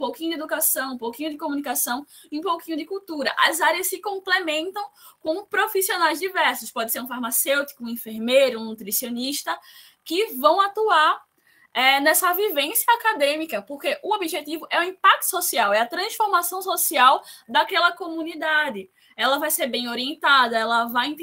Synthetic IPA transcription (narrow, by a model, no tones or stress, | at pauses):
ũpowkĩɲʊd̪ed̪ukasɐ̃w̃ũpowkĩɲʊd̪ɪkõmũnikasɐ̃w̃ | ɪũpowkĩɲʊd̪ɪkuwt̪uɾɐʔɐ̰zaɾiɐssɪkõplemẽnt̪ɐ̃w̃kõpɾofisionajzd̪ivɛɾsʊspɔd̪ɪseɾũfaɾmasewt̪i̥kʊũĩfeɾmejɾʊũnut̪ɾisioniʃt̪ɐ | kɪvɐ̃w̃at̪uaɾ | ɛnɛsɐvivẽsjɐakad̪ẽmikɐpoɾkeʔʊobiʒet̪ivʊʔɛuĩpak̚t̪ʊ̥sosiawɛɐt̪ɾɐ̃sfoɾmasɐ̃w̃sosiawd̪akɛlɐkomũnid̪ad̪ɪ | ɛlɐvajseɾbẽj̃oɾiẽnt̪ad̪ɐɛlɐvaj̪̃